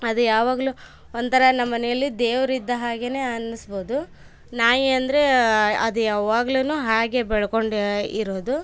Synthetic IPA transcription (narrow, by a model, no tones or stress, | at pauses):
ɐd̪ujaːʋaːɡɐlu | ond̪t̪ʰɐɾɐnɐmːɐnɛjɐlːid̪eːʋɐɾid̪ːɐɦaːɡe̞ne̞ːɐnːisboːd̪u | naːjiɐnd̪ɐɾe̞ɐd̪ujaːʋaːɡɐlunuːɦaːɡe̞bɛɭɐko̞ɳɖiɾo̞ːd̪u